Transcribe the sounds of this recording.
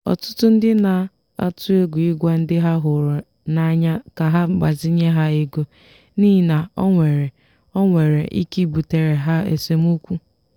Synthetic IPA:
ɔ̰˨tʊ̥˦tʊ˦n̩˦dɪ˦na˨ | a̰˦tu˦e˦ɡʷu˨i˦ɡʷa˦n̩˦dɪ˦ɦa˦ɦʊ˨ɾ | na˦ɲa˦ka˨ɦa˦˨ɡ͡ba˨zɪ˦ɲe˦ɦa˦e˦ɡo˦ | niː˦˨na˨ɔ˦ŋʷe˨ɾe˨ | ɔ˦ŋʷe˨ɾḛ˨ʔḭ˦ki˦˨bu˨te˨ɾe˨ɦa˦ḛ˨se˨m˦u˦kʷu˦

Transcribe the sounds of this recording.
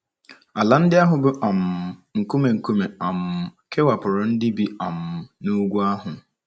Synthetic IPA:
a˨la˨n̩˦dɪ˦a˦ɦʊ˨bʊ˦ʔa˨m˨ŋ̩˨ku˦me˨ŋ̩˨ku˦me˨a˨m̩˨ke˦wa˨pʊ˨ɾʊ˨n̩˦dɪ˦bi˨a˨m̩˨nu˦ɡʷu˦a˦ɦʊ˨

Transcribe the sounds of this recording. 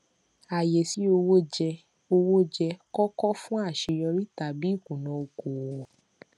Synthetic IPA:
a˨je˨si˨˦o˧wo˦d͡ʒɛ˧ | o˧wo˦d͡ʒɛ˧kɔ˦kɔ˦fũ˦a˦˨ʃe˨˧jɔ˧ɾi˦ta˨bi˨˦i˦˨kũ˨nɔ̃˨˧o˧ko˨wɔ˨

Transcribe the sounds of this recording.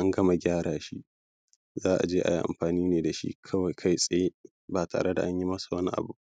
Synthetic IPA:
ʔa˦ŋɡɐ˦ma˨ɡʲaː˦ɾaː˨ʃi˦ʔ | zaː˦ʔa̰˨d͡ʒeː˦ʔa̰˨ji˦ʔa̰˨mɸaː˨niː˦neː˨da˨ʃḭ˦kʰɐ˦wa˨jkʰa˦jsʼɐ˨jeː˦ | baː˨tʰa̰ː˨ɽe˦da̰˨ʔa˦ɲji˦mɐ˦su˨wɐ˦ni˦ʔa̰˨bu˦ʔ

